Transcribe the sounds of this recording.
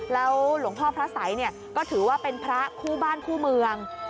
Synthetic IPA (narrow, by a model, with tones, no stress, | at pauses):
lɛː˦˥wlu˩˦əŋt̪ʰɔː˥˩pʰɾa˦˥sa˩˦jni˥˩ɐ | kɔː˥˩t̪ʰɯː˩˦waː˥˩pe˧npʰɾa˦˥kʰuː˥˩baː˥˩nkʰuː˥˩mɯ˧əŋ